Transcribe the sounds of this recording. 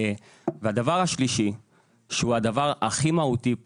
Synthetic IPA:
vehad̪avaʁaʃliʃi | ʃehuad̪avaʁaχimaut̪i

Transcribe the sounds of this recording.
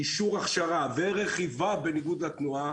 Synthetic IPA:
iʃuʁaχʃaʁaveʁeχivabeniɡud̪at̪nua

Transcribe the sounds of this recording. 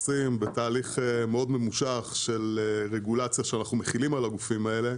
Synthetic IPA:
simbetaːliχemeo̞d̪me̞muʃaχʃe̞leʁeɡulat͡sjaʃeanaχnumeχilimalaɡufimae̞le̞

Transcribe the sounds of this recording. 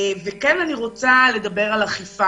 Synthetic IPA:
vekenaniʁo̞t͡sale̞dabe̞ʁalaχifa

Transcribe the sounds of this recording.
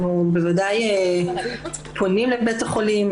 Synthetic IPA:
nubevadaje | pʰonimlebetaχolim

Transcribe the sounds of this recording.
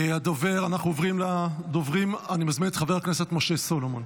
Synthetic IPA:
ead̪ove̞ʁanaχnuovʁimlad̪o̞vʁimanimazminetχaveʁakne̞set̪moʃe̞so̞loman

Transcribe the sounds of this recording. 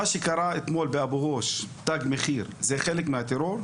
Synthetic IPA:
aʃikɑɾˤaʔʔɪt̪moːlbɪʔabuhoʃt̪aɡmɪxiːɾzexeːlɪkmɪhat̪eɾoːɾ

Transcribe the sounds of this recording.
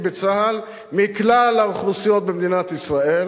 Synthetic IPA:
bet͡saɦal | miklalaʁχlusijo̞t̪̚bemd̪inat̪isʁael

